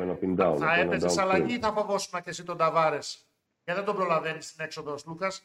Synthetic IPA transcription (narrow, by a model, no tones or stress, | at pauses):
ɐnɐpind̪ɐoɐepezeɐlɐʝiθɐpovo̞sunɐcesit̪o̞d̪ɐvɐɾe̞s | cɐðend̪o̞bɾo̞lɐve̞nist̪ine̞kso̞ðoslukɐs